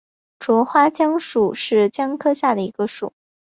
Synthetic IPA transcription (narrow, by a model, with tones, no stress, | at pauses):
ʈ͡ʂwɔ˧˥xwa˥t͡ɕjɑ˥ŋʂu˨˩ʂɻ̩˥˩t͡ɕjɑ˥ŋkʰɤ˥ɕja˥˩d̪ə˩i˧˥ɡ̥ə˧ʂu˨˩˦